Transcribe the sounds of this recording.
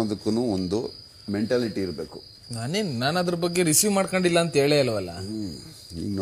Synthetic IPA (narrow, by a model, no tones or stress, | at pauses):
od̪ukːunuːond̪u | meɳʈaːliʈiːɾbḛːku | naːneːnnaːnaːd̪ɐɾɐbɐɡːe̞ɾisiːʋmaːɖkoɳɖilːɐːnt̪ɐeːɭeɐlɐʋɐlːɐ̰ | nḭːŋ